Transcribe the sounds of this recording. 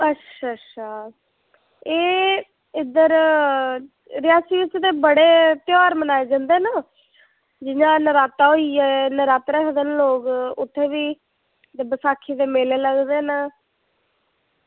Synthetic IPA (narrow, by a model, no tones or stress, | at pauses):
ətːʰat͡ʃʰaː | eː | ɪd̪əɾ | ɾɪjaːsiːʋɪt͡ʃd̪eːbəɽeːt̪jaːɾmənaːeːd͡ʒãnd̪eːnaː | d͡ʒɪɲãːnəɾaːt̪aːɦoiɛːnəɾaːt̪ɾəkʰd̪ənloːɡʊt̪ʰːeːʋiː | d̪eːbəsaːkʰːiːd̪eːmeleːləɡd̪eːnəː